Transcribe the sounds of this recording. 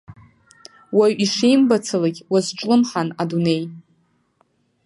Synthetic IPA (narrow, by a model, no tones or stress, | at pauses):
waɥiʂijmbat͡sʰalaɡʲwazʈ͡ʂʼlɨmħanadune̞j